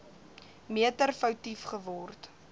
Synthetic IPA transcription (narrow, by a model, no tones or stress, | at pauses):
miətərfəwtifχəvɔrt